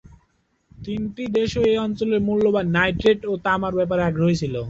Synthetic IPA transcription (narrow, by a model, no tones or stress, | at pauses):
t̪inʈid̪eʃoejɔnt͡ɕoleɾmulːobanajʈɾeʈot̪amaɾbɛp̬aɾeɛkʰɾojet͡ɕʰilo